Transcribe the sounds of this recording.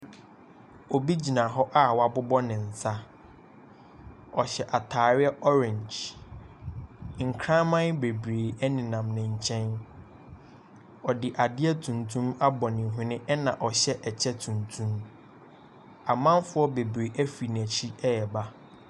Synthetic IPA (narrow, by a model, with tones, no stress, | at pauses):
o˨bi˦d͡ʑi˨nã˨ɦɔ˦ʔa˦wa˨bʊ˦bɔ˦nɪ̃˨n̩˨sa˦ | ɔ˨ɕɛ˨ʔa˨tʰaː˨ɾɪ˦ɛ˦ʔɔ˦ɾɪ̃˨ɲd͡ʒ | ŋ̩˨kʰɾã˦mã˦nbe˨bɾeː˨ɛ˦nɪ̃˨nã˨mnɪ̃˨ɲ̩˨t͡ɕʰɛ̃˦n | ɔ˨dɪ˨ʔa˨dɪ˦ɛ˦tʰũ˨ntʰũ˦ma˦bɔ˨nɪ̃˨ɦʊ̃˦nɪ̃˦ʔɛ˦nã˨ʔɔ˨ɕɛ˦ʔɛ˨t͡ɕʰɛ˦tʰũ˨ntʰũ˦m | a˨mã˦mfʊ˦ɔ˦be˨bɾe˨ʔæ˦fi˨næ̃˨t͡ɕʰi˦ɛ˦ɛ˨ba˦